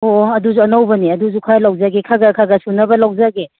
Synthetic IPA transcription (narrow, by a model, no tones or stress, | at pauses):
oɐduzuɐnawbɐniɐduzukʰalawzaɡekʰaɡakʰaɡasunɐbɐlawzaɡe